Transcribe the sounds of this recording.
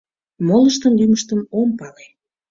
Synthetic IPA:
moləʃt̪ənlyməʃt̪ənompɑle

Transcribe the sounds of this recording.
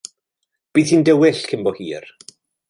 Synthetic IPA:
b̥iːθhiːndɛwɪɬkʰɪmbɔhiːr

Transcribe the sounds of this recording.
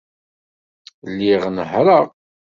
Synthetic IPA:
lːiʁnəħɾəʁ

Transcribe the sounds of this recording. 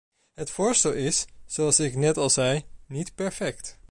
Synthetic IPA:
ɦətfʊːɹstɛlˠɪsz̥oɑlˠsɪknɛtɑlˠzɛjnitpɛɹfɛkt

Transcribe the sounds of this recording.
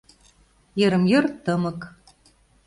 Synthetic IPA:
jĕɾə̆mjɤrt̪ɤmɤ̆k

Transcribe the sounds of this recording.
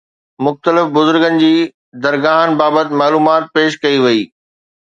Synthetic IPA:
mʊxt̪əlɪfbʊzʊɾɡənɪ̆d͡ʑiː | d̪ɐɾɡaːɦənɪ̆baːbət̪ɪmaːluːmaːt̪̚peːʃkɐiʋɐiː

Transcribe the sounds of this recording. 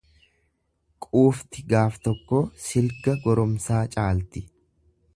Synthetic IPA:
kʼuːft̪ɪɡaːft̪ɔkːoːsɪlɡɐɡɔɾɔmsaːt͡ʃʼaːlt̪ɪ

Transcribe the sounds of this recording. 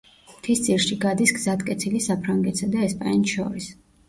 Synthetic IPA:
mt̪ʰist̪sʼiɾʃiɡad̪isɡzat̪kʼɛt̪sʰilisapʰɾaŋɡɛt̪ʰsad̪aɛspʼa̰nʃɔ̰ɾis

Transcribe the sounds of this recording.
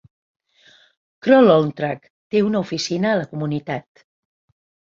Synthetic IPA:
kɾɔlolnt̪ɾak | t̪eunəufisinəːləkumunit̪at̪

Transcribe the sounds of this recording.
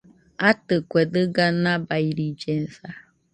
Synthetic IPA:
atɨkʷedɨɡanabaiɾid͡ʒen̩sa

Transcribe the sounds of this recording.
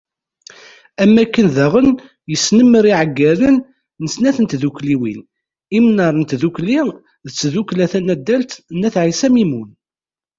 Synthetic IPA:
æmːækːənðæʁən | jəsnəmːəɾiʕəɡːæɾənː | əsnæθənt̪ðukliwḭn | imnɑɾˤnt̪ðukli | ðət͡sːðuklæθænæd̪ːælt̪nːæθʕisæmimun

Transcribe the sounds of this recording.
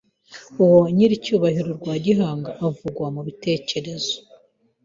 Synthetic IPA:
uwoɲiɾicuːβahiɾoɾɡwaːɟiɦaːŋɡaʔavuɡwamuβite̞ːce̞ɾe̞zo

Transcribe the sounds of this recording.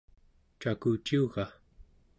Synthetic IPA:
t͡ʃakut͡ʃiuɣa

